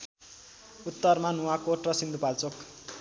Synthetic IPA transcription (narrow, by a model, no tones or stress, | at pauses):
ut̪ːʌrmanuwakoʈrʌsind̪upalt͡sok